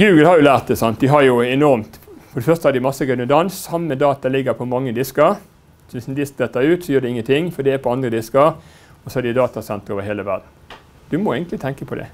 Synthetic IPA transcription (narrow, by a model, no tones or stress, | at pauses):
ɡʉːɡəlhɑɾjʊlæːʁt̪̚d̪ɛsɑnt̪̚d̪ɪɦɑɾjʊɛnɔɾmt̪fɔɖɛfœʁst̪əhɑɾd̪ɪmɑsːəɡʉnəd̪ɑnsːɑmːəd̪ɑːt̪ɑlɪɡːəpʰɔmɑŋːəd̪ɪskəɾ | sɔʋɪsnd̪ɪsk̚d̪ɛt̪ːɑʉːt̪sɔjøːɾd̪ɛɪŋːənt̪ɪŋːfɔd̪ɪæpʰɔɑnd̪ɾəd̪ɪskəɾ | ɔsɔæd̪ɪd̪ɑːt̪ɑsɛnt̪əɾoːʋəɾheːləʋæɾd̪n̩ | d̪̥ʉmɔeːɡənlɪt̪ʰɛŋkəpʰɔd̪ɛ̰